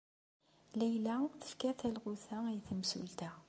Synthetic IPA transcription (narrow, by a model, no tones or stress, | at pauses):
læjlæθə̥fkæθælʁuθæijθəmsṵlt̪æ